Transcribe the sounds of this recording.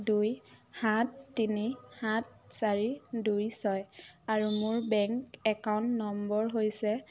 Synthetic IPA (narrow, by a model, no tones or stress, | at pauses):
dujhatːinihat̚saɹidujsɔjaɹumʊɹbɛŋkɛkawntnɔmbɔɹɦojsɛ